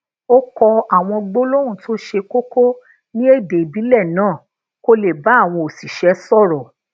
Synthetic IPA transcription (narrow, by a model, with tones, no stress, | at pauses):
o˦kɔ˧a˨w̃ɔ̃˧ɡ͡bo˦lo˦ɾ̃ũ˦˨tʰo˦ʃe˧ko˦ko˦ | nĩ˦e˦˨de˨bi˨˦lɛ˦˨nãː˦˨ | ko˦le˨ba˨˦a˦˨w̃ɔ̃˧o˨si˨ʃɛ˨˦sɔ˦˨ɾɔ˨